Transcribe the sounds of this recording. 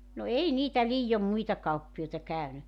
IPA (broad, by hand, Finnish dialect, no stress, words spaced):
no ei niːtæ liːjom muitɑ kɑupːioitɑ kæˑyny